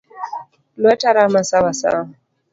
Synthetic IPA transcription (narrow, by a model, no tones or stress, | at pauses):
lwɛtaɾamasawasa̰a